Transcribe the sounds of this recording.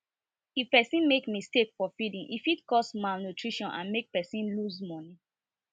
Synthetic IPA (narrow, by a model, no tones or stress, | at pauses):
ifpɛsĩnmekmistekfɔfidĩŋʔḭfitkɔsmalnutʰɹiʃɔ̃nʔã̰nmek̚pɛsĩnluzmɔni